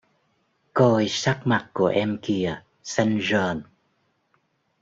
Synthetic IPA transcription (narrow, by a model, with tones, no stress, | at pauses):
ko˧jsa˦˥k̚ma˨˩t̚ku˧˩əʔɛ˧mki˧ə | sa˧ŋ̟zəː˧˩n